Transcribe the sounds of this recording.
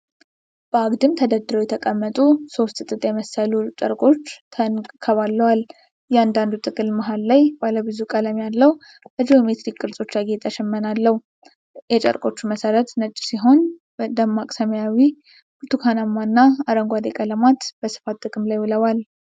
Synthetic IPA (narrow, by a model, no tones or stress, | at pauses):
b̥əaɡd̪ɨmt̪ʰəd̪əd̪ɨɾəwjɛt̪ʰəkʼəmːət̪ʼuso̞st̪ʼɨt̪ʼɨt̪ʼjɛməsəlut͡ʃʼə̰ɾkʼo̞t͡ʃːʰənkʰəβalːəwal | jɛand̪and̪ut̪ʰʼɨkʼɨlmaɦallajbaləbɨzukʼələmjalːəw | ʔəd͡ʒiomet̪ɾikkʼːɨɾsʼo̞t͡ʃːaɡet̪ʼəʃɛmːənalːəh | jɛt͡ʃʼə̰ɾkʼo̞t͡ʃːuməsəɾət̪nət͡ʃʼːsiɦo̞n | d̪əmːakʼsəməjawi | buɾt̪ʰukʰanamːanːaaɾəŋɡʷad̪ekʼələmat̪bəsɨ̥fat̪ʼːɨkʼɨmlajwɨləwal